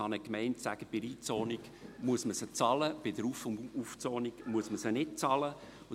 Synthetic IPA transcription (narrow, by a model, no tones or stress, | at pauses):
ɑnəkmɛɪntsæ̰ɡ̥əb̥ɪɾiːt͡sɔːniɡ̥ | muəsməsət͡sɑləb̥ɪdəɾufuft͡sɔːniɡ̥muəsməsənɪt̚t͡sɑlə | ʊ